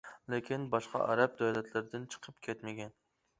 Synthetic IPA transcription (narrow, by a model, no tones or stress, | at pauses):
lɪkʲinbɑʃqɑ̰ʔæ̰ɾɛp̚d̪æwlɛt̪ʰlɪɾɪd̪ɪnt͡ʃʰə̥qʰəp̚kʲʰɛt̪mɪɡʲɛn